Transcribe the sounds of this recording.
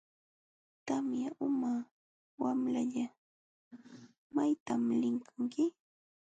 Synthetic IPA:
t̪amjaʔʊma | wamlaʎa | majt̪amlɪŋkʰaŋkɪ

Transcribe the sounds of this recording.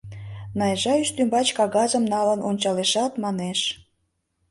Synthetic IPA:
nɑjʒɑyʃt̪ymbɑt͡ɕkɑɣɑzəmnɑlənʔonʲt͡ɕɑleʃɑt̪mɑneʃ

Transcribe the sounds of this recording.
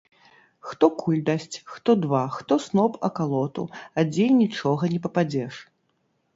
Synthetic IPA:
xt̪ɔkʰulʲd̪asʲt͡sʲxt̪ɔd̪vaxt̪ɔsnɔpɐ̰kalˠɔt̪ṵɐd͡zʲejnʲit͡ʂɔɣɐnʲɛpɐpad͡zʲɛʂ

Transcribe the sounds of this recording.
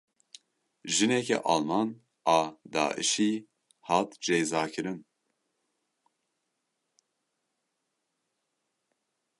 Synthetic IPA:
ʒinɛkʰɛ̰ʔɑ̰lmɑn | ɑːd̪ɑ̰ːʔḭʃi | hɑt̪d͡ʒɛjzaːkʰɨɾɨn

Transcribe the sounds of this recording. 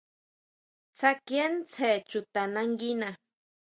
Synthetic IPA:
t͡sakjent͡sʰet͡ʃʊt̪anaŋɡina

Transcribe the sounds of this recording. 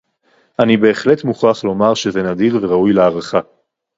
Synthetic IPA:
ʔanibe̞ːχle̞tmuχaχlo̞maʁʃeze̞nadiʁve̞ʁaujleaʁaχa

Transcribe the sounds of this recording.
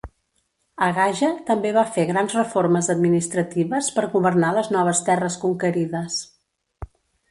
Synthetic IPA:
əɣaʒət̪əmbeβafeɣɾanzrəforməzəd̪minist̪ɾət̪iβəspəɾɣuβərnaləznɔβ̞əst̪ɛrəskuŋkəɾiðəs

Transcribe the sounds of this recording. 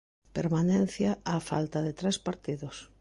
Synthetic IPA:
peɾmanɛn̟θjaafa̰lt̪ɐðet̪ɾɛspaɾt̪iðʊs

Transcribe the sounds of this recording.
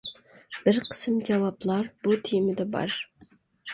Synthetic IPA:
b̥ɪɾqʰə̥sɨmd͡ʒɑwɑblˠɑɾbut̪ʰijmɪd̪ɛbɑ̰ɾ

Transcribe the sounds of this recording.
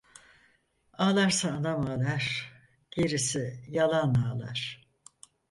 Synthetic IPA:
aːlˠaɾsaːnamaːlˠaɾ̥ | ɟ̥eɾisijalˠanaːlˠa̰ɾ̥

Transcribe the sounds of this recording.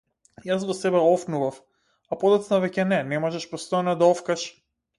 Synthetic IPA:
jasvɔsɛbɛɔfnuvaf | apɔd̪at̪snavɛcɛnɛnɛmɔʒɛʃpɔst̪ɔjanad̪aɔfkaʃ

